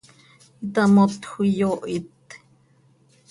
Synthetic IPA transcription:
it̪amot̪xujoʔit̪

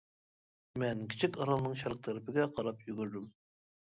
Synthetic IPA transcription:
mɛnkʲʰit͡ʃʰikʲɑɾɑlˠɨnɨŋʃɑɾq̚t̪ʰæɾɪpɪɡʲɛqʰɑɾɑpjyɡʲyɾd̪ym

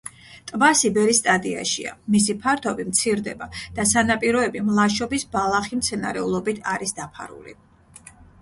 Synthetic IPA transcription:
t̪ʼbasibɛɾist̪ʼad̪ia̰ʃḭa̰misipʰaɾt̪ʰɔbimt̪sʰiɾd̪ɛbad̪̥asanapʼiɾɔɛbimlˠaʃɔbisbalˠaχimt̪sʰɛnaɾɛulˠɔbit̪ʰaɾisd̪apʰa̰ɾṵlḭ

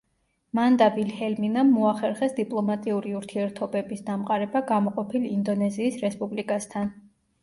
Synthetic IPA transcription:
mand̪abilhɛlminamːɔaχɛɾχɛsd̪ipʼlˠɔmat̪ʼiuɾiuɾt̪ʰiɛɾt̪ʰɔbɛbisd̪amqʼaɾɛbaɡamɔqʼɔpʰilind̪ɔnɛziːsɾɛspʼublikʼast̪ʰan

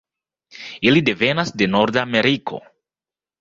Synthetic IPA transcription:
ilide̞ve̞nasde̞no̞ɾdame̞ɾikʰo̰

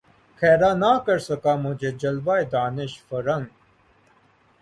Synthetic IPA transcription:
xʰɛːɾaːnaːkɐɾsɐkaːmʊd͡ʑʱeːd͡ʑɐlʋaːed̪aːnɪʃfɐɾɐŋɡ

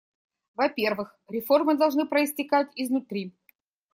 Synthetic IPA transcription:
vɐpʲe̞rvɨxɾʲɪfo̞rmɨd̪ɐlˠʐnɨpɾəɪsʲtʲɪkatʲɪznʊt̪ɾʲi

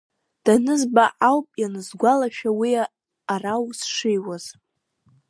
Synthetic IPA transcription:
d̥anɨzbaʔawpʼjanɨzɡʷalaʃᶣawiaː | rawsʂɪjwaz̥

